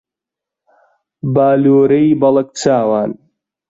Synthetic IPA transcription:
baːloːɾɐjbɐlɐk̚t͡sʰaːwaːn

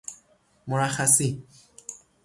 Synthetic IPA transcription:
mɔɹaxasi

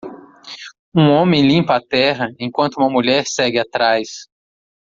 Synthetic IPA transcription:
ũõmẽj̃lĩmpɐat̪ɛɦɐẽkwɐ̃t̪ʊuũmɐmuʎɛɾsɛɡɪat̪ɾajs

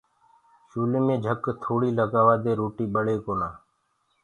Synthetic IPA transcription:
ʃuːleːmẽːd͡ʒʱəkt̪ʰoːɽiːləɡaːʋaːd̪eːɾoːʈiːɓəɽeːkoːnaː

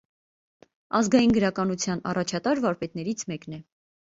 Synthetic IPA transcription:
ɑzɡɑjinɡəɾɑkɑnut͡sʰjɑnɑ̰rɑt͡ʃʰɑt̪ɑɾvɑɾpɛt̪nɛɾit͡sʰmɛknɛ

